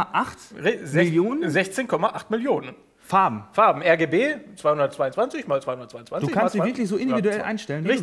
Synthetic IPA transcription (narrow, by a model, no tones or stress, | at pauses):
ʔaχtʁzɪljoːnənzɛçt͡seːnkʰɔmaʔaχtmɪljoːnən | faɐbm̩faɐbm̩ʔɛɐɡeːbeːt͡sv̥aɪhʊndɐtt͡sv̥aɪʊnt͡sv̥ant͡sɪçmaːlt͡svaɪhʊndɐtt͡svaɪʊnt͡sv̥anduːɪkanstziːɪɐklɪçz̥oːʔɪndividuɛlʔa̰ɪnʃtɛlənʁɪ